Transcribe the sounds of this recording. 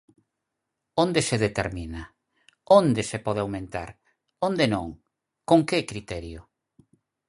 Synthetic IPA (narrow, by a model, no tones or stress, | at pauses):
ond̪eseðet̪eɾmĩna | ond̪esepɔð̞eawmẽnt̪a̰ɾ | ond̪enõ̰ŋ | koŋkekɾit̪ɛɾjo